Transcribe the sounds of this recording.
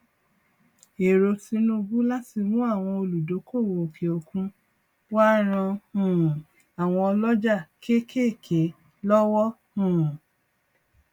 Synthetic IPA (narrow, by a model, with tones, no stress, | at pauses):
e˨ɾo˧ti˧nũ˦˧bu˦la˦ti˧˨mũ˦a˦˨w̃ɔ̃˧o˧lu˨do˨˦ko˦˨wo˨o˨kʰe˨o˨kũ˧ | wa˦ɾ̃ã˧hũ˦˨ | a˨w̃ɔ̃˧ɔ˧lɔ˦d͡ʒa˦˨kʰe˦kʰe˦˨kʰe˨˦ | lɔ˦wɔ˦ | hũ˦˨